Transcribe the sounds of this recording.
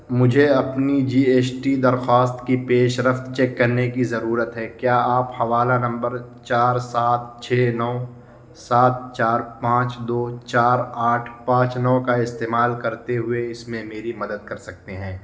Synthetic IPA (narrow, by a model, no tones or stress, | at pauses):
mʊd͡ʒʱeɐpnid͡ʒiːeːt͡ʃʈid̪ɐɾxwaːst̪kipeːʃɾəft̪t͡ʃeːkːɐɾnekizɐɾuːɾət̪ɦɛkjaːaːphɐʋaːlanɐ̃mbəɾt͡ʃaːɾsaːt̪̚t͡ʃʰeːnɔː | saːt̪̚t͡ʃaːɾpãːt͡ʃd̪oːt͡ʃaːɾaːʈʰpãːt͡ʃnɔːkaɪst̪eːmaːlkɐɾt̪eɦʊeɪsmẽmeːɾimɐd̪əd̪̚kɐɾsɐk̚t̪eɦɛ̃ː